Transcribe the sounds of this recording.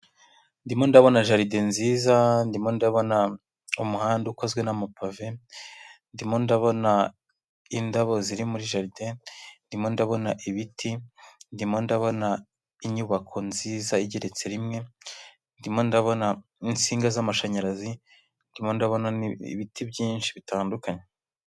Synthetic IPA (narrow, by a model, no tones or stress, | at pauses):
ndimo̞ndaβo̞naʒaɾide̞nziːzandimo̞ndaβo̞na | umuhaːnduko̞zɡwe̞namapave̞ | ndimo̞ndaβo̞na | indaβo̞ziɾimuɾiʒaɾidendimo̞ndaβo̞naʔiβitʰindimo̞ndaβo̞na | iɲuβakʰo̞nziːzaiɟeɾe̞t͡se̞ɾimŋe̞ | ndimondaβo̞na | int͡siːŋɡazamaʃaɲaɾazi | ndimo̞ndaβo̞naḭβitʰibjiːnʃiβitaːndukaɲe